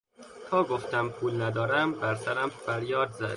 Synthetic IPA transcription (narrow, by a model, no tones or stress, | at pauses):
t̪ʰɒːɡoft̪æmpʰuːlnæd̪ɒːɾæmbæɾsæɾæmfæɾjɒːd̪zæ̰d̪